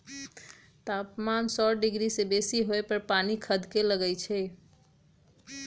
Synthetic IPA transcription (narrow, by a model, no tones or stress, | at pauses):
t̪apmansɔɖiɡɾisebesiɦoepəɾpanikʰəd̪ʱkeləɡəjt͡ʃʰɛ